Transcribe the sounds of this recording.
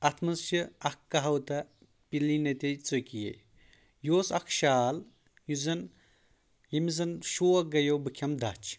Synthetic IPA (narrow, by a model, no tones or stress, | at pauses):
ɐt̪ʰmɐnsiɐkːɐɦɐwt̪ɐ | pilinɐt̪ʲet͡sokijḛ | joːsɐkʰʃaːl | juzɐn | jimizɐnʃoːɐɡɐjobɨkʰʲɐmd̪ɐt͡ʃʰ